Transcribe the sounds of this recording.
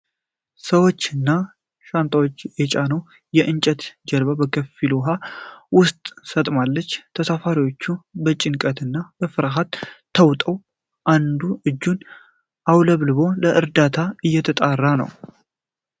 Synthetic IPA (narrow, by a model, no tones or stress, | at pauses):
səwo̞t͡ʃːɨnːa | ʃant̪ʰʼawo̞t͡ʃːjɛt͡ʃʼanəw | jɛʔɨnt͡ʃʼət̪d͡ʒəlβabəkʰəfiluɦawʊst̪ʼsət̪ʼmalːət͡ʃːt̪ʰəsafaɾiwo̞t͡ʃːubət͡ʃʼɪŋkʼət̪ɨnːabəfɨɾaɦat̪ʰː | əwt̪ʼəw | ʔand̪uʔɨd͡ʒːun | ʔawləβlɨβo̞ləʔɨɾd̪at̪ʰaɨjːɛt̪ʰət̪ʼarːanə̰w